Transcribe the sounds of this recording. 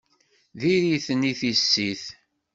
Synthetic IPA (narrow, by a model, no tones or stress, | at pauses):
ðiɾiθəniθisːiθ